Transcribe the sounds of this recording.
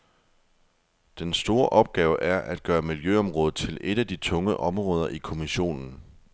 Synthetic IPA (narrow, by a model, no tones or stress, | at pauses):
d̥ensd̥o̝ːɐʔɒ̽b̥̚ɡ̥ɛːʊəʔæɐʔæd̥̚ɡ̥ɶːɐmiljøɒ̽mʁɔ̽ːð̞̩ˠt͡sʰe̝lʔe̝ɾ̥æd̥it͡sʰɔ̽ŋəʔɒ̽mʁɔ̽ːð̞ˠɐʔikʰo̝miɕo̝̰ːnn̩